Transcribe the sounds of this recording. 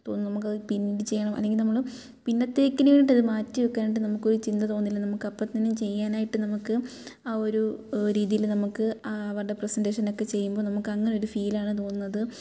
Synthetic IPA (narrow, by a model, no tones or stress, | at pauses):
t̪o̞ːnːnɐmuk̬ːɐðɨpinːiɖit͡ɕe̞jːɐɳɐmʔɐ̰lːe̞ŋɡilnɐmːɐɭ | pinːɐt̪ːeːkʲːɐnɐʋeːɳiʈːɐðɨmaːtːujokːaːniʈ̬ːɨnɐmukːo̞ɾut͡ɕind̪ɐt̪o̞ːnːilːɐnɐmukːɐpːɐt̪ːɐnumt͡ɕe̞jːaːnaːjiʈːɨnɐmukːɨao̞ɾuɾiːðijilnɐmukːɨɐːʋɐrɽe̞presɐnde̞ːʂɐno̞kːe̞t͡ɕe̞jːumbonɐmukːɐŋːɐne̞o̞ɾufiːlaːɳɨt̪̬o̞ːnːunːɐðɨ